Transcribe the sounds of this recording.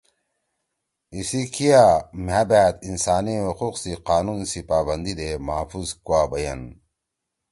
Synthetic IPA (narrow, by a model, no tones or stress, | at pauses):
isikʰijamabæːt̪insaːniwuquːqsiqaːnunsipaːbɐnd̪id̪emaːfuzkuaːbɐjɐ̰n